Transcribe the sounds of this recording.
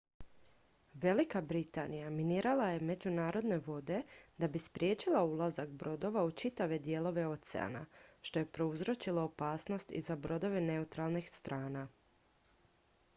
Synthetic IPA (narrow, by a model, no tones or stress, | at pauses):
ʋe̞likabɾit̪anijaminiːɾalaje̞me̞d͡ʑunaːɾo̞d̪ne̞ʋo̞d̪e̞d̪abispɾje̞ːt͡ʃilaulˠazakbɾo̞d̪o̞ʋaut͡ʃit̪aʋe̞d̪je̞ːlˠo̞ʋe̞o̞t̪sɛ̰a̰na̰ʃt̪o̞je̞pɾo̞uzɾo̞t͡ʃilˠaopaːsno̞st̪ḭzabɾo̞d̪o̞ʋene̞ut̪ɾalˠnixst̪ɾʔaːna